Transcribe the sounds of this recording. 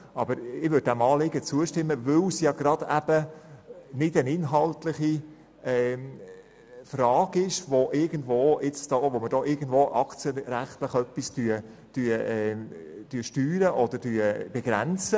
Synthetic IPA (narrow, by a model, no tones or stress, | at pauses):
ɑbəɾɪʋød̚dæmɑːlɪɡət͡suəʃtɪmːəvʏwsjɑɡ̥ɾɑd̥æb̥ə | nɪdənɪnɦɑltlɪχi | ɛː | frɑːɡɪʃʋoʔɪɾɡəndʋoːɪt͡sd̥ɔʋomədɔɪɾɡən̩dvoːʔɑkt͡sjəɾæχt̪ləχœpːistyə | tyːəɛtyːʃtyːɾəʔɔd̥̪ədyːb̥ɛɡ̥ɾænt͡sə